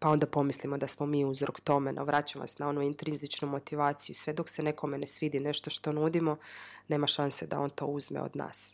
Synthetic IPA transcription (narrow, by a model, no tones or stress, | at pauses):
pao̞nd̪apo̞mislimo̞d̪asmo̞miːuzɾo̰kt̪o̞meno̰ʋɾat͡ɕamʋa̰snao̞nuint̪ɾinzit͡ʃnumo̞t̪iʋaːt̪sijusʋe̞d̪o̞ksene̞kʰo̞menesʋid̪ine̞ʃt̪o̞ʃt̪o̞nuːd̪imone̞ːmaʃanse̞d̪a̰o̞nt̪o̞̰ːuzmḛo̰d̪na̰ːs